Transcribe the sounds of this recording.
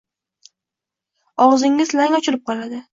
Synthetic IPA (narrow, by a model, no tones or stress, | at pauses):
ɒʁzɪŋːɪzlaŋɒt͡ʃʰɪɾɪp̚qʰɒlˠad̪ɪ